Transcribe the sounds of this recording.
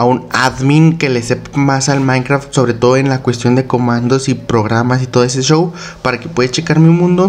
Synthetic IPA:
aunaðmiŋke̞lesepmasalmãjŋkɾaft̪so̞βɾet̪o̞ðoenlakwe̞st̪jo̞nd̪ekomãnd̪osipɾoɣ̞ɾamas̬it̪o̞ðoes̬eʃow | paɾake̥pwe̞ðet͡ʃekaɾmeunmũnd̪o

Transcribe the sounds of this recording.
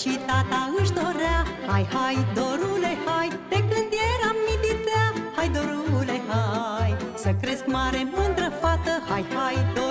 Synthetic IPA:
ʃit̪at̪aɨʃ̬d̪oɾahajhajd̪oɾulehaj | t̪eklɨnd̪ijeɾamːid̪it̪ahajd̪oɾuleɦajsəkɾɛskmaɾemɨnd̪ɾəfat̪əhajhajd̪o

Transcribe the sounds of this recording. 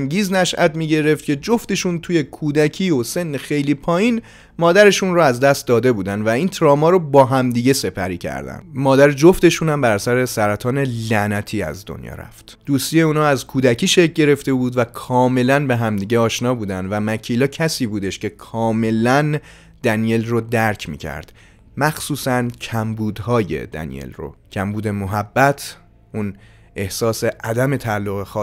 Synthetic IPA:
ŋɟiːznæʃʔæt̪miːɟe̞ɾe̞ft̪̚cʰe̞d͡ʒoft̪e̞ʃunt̪ʰuːje̞kʰuːd̪æcʰiːose̞nːexe̞jliːpʰɒːjiːn | mɒːd̪æɾe̞ʃunroæzd̪æst̪̚d̪ɒːd̪e̞buːd̪ænd̪væint̪ʰɾɒːmɒːɾobɒːɦæmd̪iːɟe̞se̞pʰæ̰ɾiːcʰæ̰ɾd̪æ̰nd̪mɒːd̪æɾd͡ʒoft̪e̞ʃunæmbæɾsæɾe̞sæɾæt̪ʰɒːne̞lænæt̪ʰiːæ̰zd̪o̰njɒ̰ːɾæ̰ftt̪d̪̥uːst̪ijeuːnɒːæzkʰuːd̪æcʰiːʃec̚ʰɟe̞ɾe̞ft̪e̞buːd̪vækʰɒːme̞lænbe̞ɦæmd̪iːɟeɒːʃnɒːbuːd̪ænd̪væmæcʰiːlɒːcʰæsiːbuːd̪e̞ʃcʰe̞kʰɒːme̞læn | d̪̥ænije̞lrod̪æɾcʰmḭːcʰæ̰ɾd̪̥ | mæxsuːsæncʰæmbuːd̪hɒːje̞̰d̪æ̰nḭjḛlro̰cʰæmbuːd̪e̞moɦæbːæt̪ʰ | ʔun | ʔe̞hsɒːseʔæd̪æme̞t̪ʰælːoɣexɒː

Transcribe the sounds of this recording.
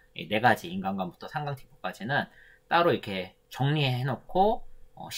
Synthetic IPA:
ḭne̞ɡad͡ʑiinɡanɡwanbutʰʌsʰaŋɡaŋtʰi̥puk͈ad͡ʑinɯn | t͈aɾoiɾkʰe̞ | t͡ɕʌŋɲieɦenokʰoʌ̰ɕʰ

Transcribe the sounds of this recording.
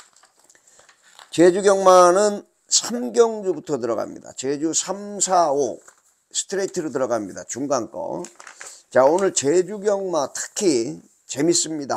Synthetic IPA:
t͡ɕed͡ʑuɡjʌŋmanɯn | sʰamɡjʌŋd͡ʑubutʰʌtɯɾʌɡa̰mɲḭda̰t͡ɕed͡ʑusʰamsʰao | sʰɯ̥tʰɯɾeitʰɯɾot̬ɯɾʌɡamɲida̰t͡ɕuŋɡaŋk͈ʌ̰ | t͡ɕaonɯɭt͡ɕed͡ʑuɡjʌŋmatʰɯ̥kʰi | t͡ɕe̞mis͈ɯmɲida

